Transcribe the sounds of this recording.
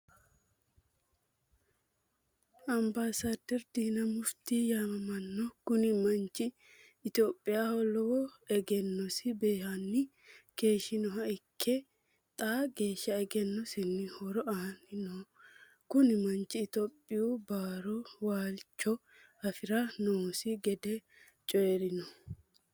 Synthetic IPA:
ɐmbaːsaːd̪ɛɾd̪iːnɐmʊft̪iːjaːmɐmɐnːɔkʊnɪmɐnt͡ʃɪː | t̪oːpʼːɪjaːhɔlɔɛɡɛnːɔsɪbeːhɐnːɪ | ke̞ːʃɪnɔɦɐɪkʰːɛ | t̪ʼaːɡe̞ːʃːɐɛɡɛnːɔsɪnːɪhɔɾɔɐhɐnɪnɔ | kʊnɪmɐnt͡ʃːɪːt̪opʼːɪjubaːɾɔwaːlt͡ʃːɔ | ɐfɪɾɐnoːsɪɡɛd̪ɛ | t͡ʃʼɔjɛɾɪnɔ

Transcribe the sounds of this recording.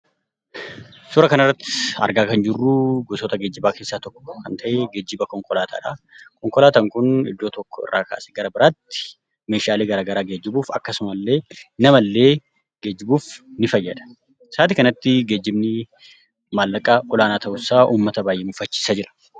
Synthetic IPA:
sʊɾɐkɐnɪrːɐt̪ːɪ̥ɐ̰ɾɡaːkɐnd͡ʒɪrːuːɡɔsɔt̪ɐɡed͡ʒːɪbaːkeːsːaːt̪ɔkːɔ̥ːkɐnt̪ʰɐʔeɡɐd͡ʒːɪbɐkɔŋkʼɔlaːt̪ʰa̰ːᶑɐ | kɔŋkʼɔlaːt̪ɐŋkʊnɪ̰d̪ːo̞ːt̪ɔkːɔɪ̰rːa̰ːka̰ːsɛ̥ɡɐɾɐbɪɾaːt̪ːɪ̥ | me̞ːʃaːleːɡɐɾaːɡɐɾaːɡed͡ʒːɪbuːfɐ̰kːɐsʊmɐlːe̞ːnɐmɐlːe̞ː | ɡed͡ʒːɪbuːfnɪfɐjːɐd̪ɐ̥ | saːt̪ɪkɐnɐt̪ːɪɡe̞ːd͡ʒːɪbnɪ | maːlːɐkʼɐʔɔlaːnaːt̪ʰɐʔʊsːaːʔuːmːɐt̪ɐbaːjʔemʊfɐt͡ʃːi̥ːsad͡ʒɪɾɐ̥

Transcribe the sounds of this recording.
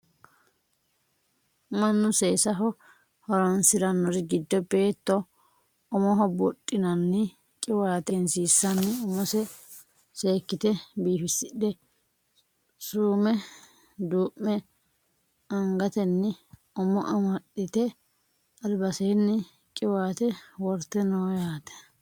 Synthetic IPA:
mɐnːʊseːsɐɦɔ | hɔɾɐnsɪɾɐnːɔɾɪɡɪd̪ːɔbe̞ːt̪ːɔ | ɔmɔɦɔbɔtʼːɪnɐnːɪ | kʼɪwaːt̪ɛnsiːsːɐnːɪɔmɔsɛ | seːkːɪt̪ɛbiːfɪsːɪɗɛ | suːmɛ | d̪uːʔːɛ | ɐŋɡɐt̪ɛnːɪ | ɔmɔʔɐmɐɗːɪt̪ɛ | ɐlbɐseːnːɪ | kʼɪwaːt̪ɛwɔɾt̪ːɛnoːjaːt̪ɛ̥

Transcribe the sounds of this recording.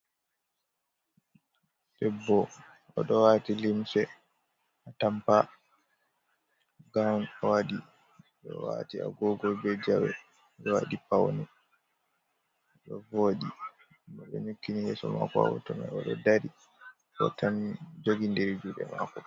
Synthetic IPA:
bɛbːɔ | ɔɗɔwaːtilimsɛ | atampa | ɡawnɔwaɗi | ɗɔ̰wa̰ːtia̰ɡɔɡɔlbɛd͡ʒawɛ | ɗɔwa̰ɗipawnɛ | ɗɔvoɗi | mɔɓɛ̰ɲukːinihɛsɔma̰kɔa̰wɔ̰tɔma̰jɔɗɔdaɾi | ɗɔ̰tand͡ʒoɡindeɾid͡ʒuɗɛmaːkɔ

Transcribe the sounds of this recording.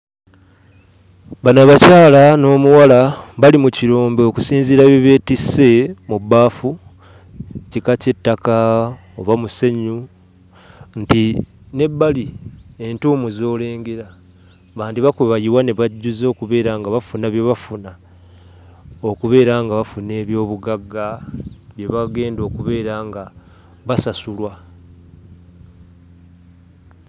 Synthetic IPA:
βanaβacaːlano̞ːmuwalaβalimuciɾoːmbeoku̥siːnziɾaβiβe̞ːtise̞mubːaːfu | cikace̞tːaka | oβamuseɲu | nti | ne̞bːalie̞ntuːmuzo̞ːle̞ːŋɡe̞ɾa | βaːndiβakwuβajiwaneβaɟːuzo̞ːkuβe̞ːɾaŋɡaβafunaβje̞βafuna | o̞kuβe̞ːɾaŋɡaβafune̞ːβjo̞ːβuɡaɡːaβje̞βaɡe̞ːndo̞ːkuβe̞ːɾaŋɡa | βasasulwa

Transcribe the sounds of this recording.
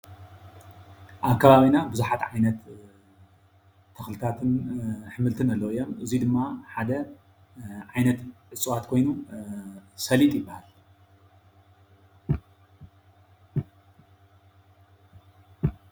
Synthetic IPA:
ʔaβkʰɐβaβinabɨzuħat̪ʕajnɐt̪ | ɐxlɨt̪ʰat̪ʰɨnħɨmɨlt̪ʰɨnɐlːoijo̞mɨzid̪ɨmːaħad̪ɐ | ʕajnɐt̪ʕɨt͡sʼɨwat̪kʰo̞jnu | sɐlit̪ʼjɪbːahal

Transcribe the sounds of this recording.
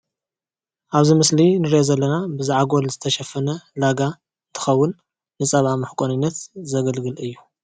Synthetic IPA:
ʔaβzimɨslinɨɾiʔozɐlːɐnabɨzaʕaɡolzɨt̪ʰɐʃɐfːɐnɐlaɡa | ɨnt̪ʰɨ̥xɐwːʊnː | ɨt͡sʼɐβʕamɨħkʼonɨnːɐt̪zɐɡɐlɡɨlɨjːu

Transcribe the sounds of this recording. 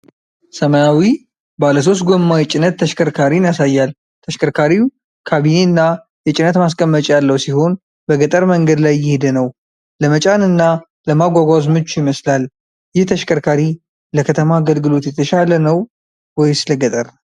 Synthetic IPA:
səmajawi | baləs̬o̞st̪̚ɡo̞mːawjɛt͡ʃʼɪnət̪ʰːəʃkʰʼəɾkʰaɾinijasajːal | t̪ʰəʃkʰʼəɾkʰaɾi | kʰaβine̞nːa | jɛt͡ʃʼɪnət̪maskʼəmːət͡ʃʼjalːəwsiho̞n | bəɡət̪ʼəɾməŋɡəd̪lajːɪhed̪nəw | ləmət͡ʃʼanɨnːa | ləmaɡʷaɡʷazmot͡ʃːjɪməslal | jɪht̪ʰəʃkʰʼəɾkʰaɾi | ləkʰət̪ʰəmaːɡəlɡɨlo̞t̪jɛt̪ʰəʃalənəw | wɔjsɨləɡət̪ʼəɾ

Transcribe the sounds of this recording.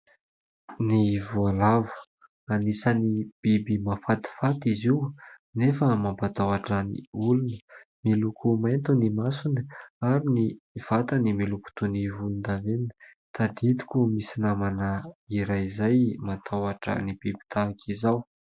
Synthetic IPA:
nivualavu̥ | anisənib̥ibimafat̪i̥fat̪iziwnefəmampat̪awaʈ͡ʂənḭulunə̥milukʰumajnt̪unimasunəaɾiniv̥at̪animiluku̥t̪univulund̪aven | t̪ad̪it̪i̥kʲumisinamanaiɾajizajmat̪ʰawaʈ͡ʂə̰nibibi̥t̪aakʰizaw

